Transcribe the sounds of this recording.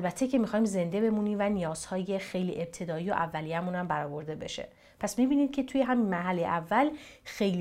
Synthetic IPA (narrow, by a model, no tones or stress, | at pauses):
ælbæt̪ʰe̞cʰe̞mixɒːimze̞nd̪e̞be̞muniːmvænijɒːz̥hɒːje̞xe̞jliːʔe̞b̥̚t̪ʰe̞d̪ɒːijoʔævːælijæmuːnæmbæɾɒːbo̞ɾd̪e̞be̞̰ʃe̞̰ | pʰæsmibiːniːd̪̥̚kcʰe̞t̪ʰuje̞ɦæminmæɦælːejḛʔævːælxe̞jl